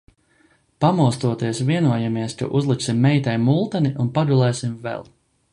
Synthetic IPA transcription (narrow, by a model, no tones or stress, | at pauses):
pamuɔst̪uɔt̪iɛsviɛnuɔjamiɛskṵʔuzlˠiksimːɛjt̪ɛjmulˠt̪aniʔunpad̪ulˠɛːsimvɛ̰lˠ